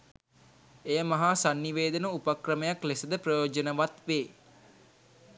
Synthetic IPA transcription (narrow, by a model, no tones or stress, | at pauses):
ejəmɐɦasanːiʋeːd̪ənəupakrəməjaklesəd̪əprəjoːd͡ʒənəʋat̪ʋeː